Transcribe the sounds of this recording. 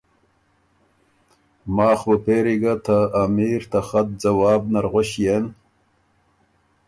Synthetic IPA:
maːxbəpeɾiɡat̪ʰaːmiːɾt̪axat̪̚d͡zɐwaːb̚naɾʁoɕjen

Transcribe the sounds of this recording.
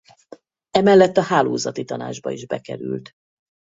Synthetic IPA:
ɛmɛlːɛt̪ːɒhaːloːzɒt̪it̪ɒna̰ːd͡ʒbɒiʒbɛkɛɾylt̪

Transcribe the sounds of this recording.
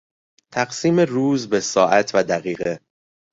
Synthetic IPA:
t̪ʰæɢsiːmeruːzbe̞sɒːʔæt̪ʰvæd̪æɣiːɣe

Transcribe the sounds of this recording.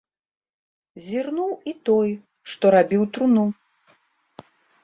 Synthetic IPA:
zʲirnuwit̪ɔj | ʂt̪ɔɾabʲiwt̪ɾunu

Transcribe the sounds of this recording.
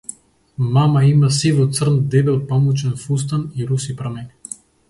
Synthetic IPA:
mamaimasivɔt̪sr̩nd̪ɛbɛlˠpamut͡ʃɛnfus̬t̪aniɾusipɾamɛn

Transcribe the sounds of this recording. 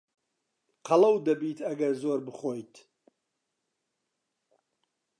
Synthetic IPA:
qʰalawd̪ɐbit̪ʰaɡɐɾzɔɾbɨχɔjt̪ʰ

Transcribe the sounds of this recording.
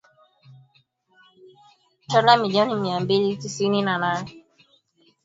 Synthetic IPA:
t͡ʃɔlamiliɔnimiambilitisininanaːnɛ

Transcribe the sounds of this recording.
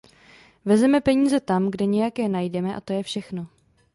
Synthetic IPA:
vɛzɛmɛpɛɲiːzɛt̪amɡdɛɲɛjakjɛnajdɛmɛʔa̰t̪o̞jɛfʃɛxno̞

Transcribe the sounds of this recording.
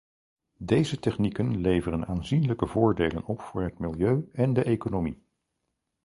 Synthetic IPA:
dejzətɛχnikənlejvərənaːnzinləkəvʊːɹdejlənɔpfʊːɹɦətmɪlˠjøɥɛndəʔejkonomi

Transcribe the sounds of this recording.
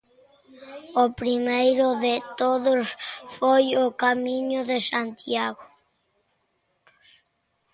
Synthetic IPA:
opɾimejɾoðet̪oðosfojokamĩɲoðesant̪iaɣo

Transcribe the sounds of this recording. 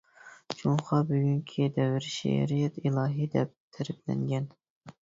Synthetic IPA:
t͡ʃʰuŋχɑbyɡʲyŋkʲʰid̪ɛwɪɾʃḛɾijɛt̪ilˠɑːɦid̪ɛp̚t̪ʰɛɾɪplɛ̰ŋɡʲɛn

